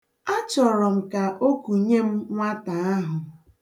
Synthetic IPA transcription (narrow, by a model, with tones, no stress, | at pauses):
a˦t͡ʃɔ˨ɾɔ˨m̩˨ka˨ʔo˦ku˨ɲe˦m̩˦ŋʷa˦ta˨a˦ɦʊ˨